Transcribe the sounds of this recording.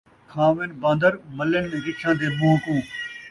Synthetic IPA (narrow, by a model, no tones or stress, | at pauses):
kʰãːʋenbãːnd̪əɾmələnmẽːɾɪt͡ʃʰãːd̪eːmoɦkũː